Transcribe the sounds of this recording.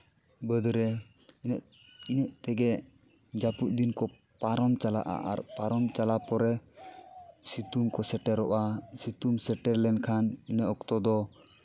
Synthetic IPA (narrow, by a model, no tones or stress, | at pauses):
bəd̪ɾɛ | inɛʔt̪ɛɡɛ | d͡ʒapuʔ̪̚d̪inkɔ | paɾɔmt͡ʃala̰ʔa̰ʔa̰ɾpaɾɔmt͡ʃalapɔɾɛ | sit̪umkɔsɛʈɛɾɔʔasit̪umsɛʈɛɾlɛnkʰaninəʔɔkt̪ɔd̪ɔ